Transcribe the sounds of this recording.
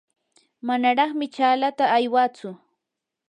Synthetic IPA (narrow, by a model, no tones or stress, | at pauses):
manaɾɑχmɪt͡ʃaːlat̪aːjwat͡sʊ